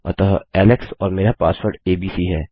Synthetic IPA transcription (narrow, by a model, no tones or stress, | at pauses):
ɐ̰t̪əɦɛːlɪksɔːɾmeːɾapaːspəɾɖeːbiːsiɦɛː